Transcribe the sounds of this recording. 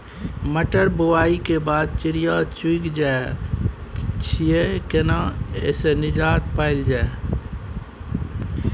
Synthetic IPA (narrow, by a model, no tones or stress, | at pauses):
məʈəɾbowaːikebaːd̪̚t͡ʃɪɾijat͡ʃuikd͡ʒae | t͡ʃʰiekenãḛsenɪd͡ʒaːt̪̚paːɪld͡ʒaːe